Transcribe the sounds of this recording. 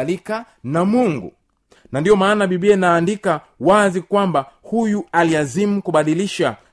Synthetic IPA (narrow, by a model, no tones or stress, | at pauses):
lika | namuŋɡṵ | nandiɔmaːnaɓiɓiɛnaːndika | wazikwambahujualiazimukuɓaɗiliʃa